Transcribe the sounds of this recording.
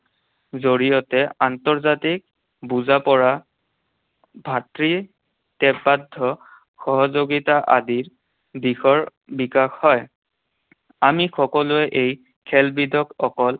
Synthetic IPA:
zoɹijɔtɛantɔɹzatik̚ | buzapɔɹa | bʱatɹi | tɛpadʱːɔ | xɔɦɔzoɡitaʔadiɹ | bixɔɹ | bikaxhɔj | amixɔkɔlʊɛʔej | kʰɛlbidʱɔkɔkɔl

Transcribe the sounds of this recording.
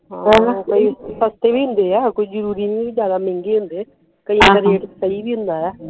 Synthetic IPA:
ɦãːɛlãkoisəst̪eːbiːɦʊ̃nd̪eːɛːkoid͡ʒəɾuːɾiːnĩid͡ʒjaːd̪amẽŋɡeːɦʊ̃nd̪eɛ | kəikːəɾeːʈsəibiːɦʊ̃nd̪aːɦɛː

